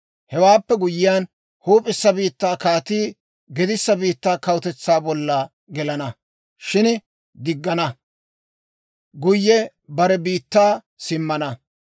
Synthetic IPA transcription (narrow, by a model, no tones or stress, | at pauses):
hɛwaːpːɛɡʊjɪjaːn | huːpʼɪsːɐbiːt̪ːaːkaːt̪iː | ɡɛd̪ɪsːɐbiːt̪ːaːkɐwʊt̪ɛt͡sːaːbɔlːɐ | ɡɛlɐnɐ | ʃɪn | d̪ɪɡːɐnɐ | ɡʊjːɛ | bɐɾɛbiːt̪ːaː | sɪmːɐnɐ